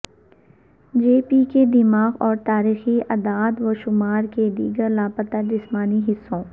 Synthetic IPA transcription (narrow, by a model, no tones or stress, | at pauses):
d͡ʒeːpiked̪ɪmaːɣɔːɾt̪aːɾiːxiɐd̪aːd̪ʋoʃʊmaːɾked̪ḭːɡəɾlaːpət̪ad͡ʒɪsmaːniɦɪsːõː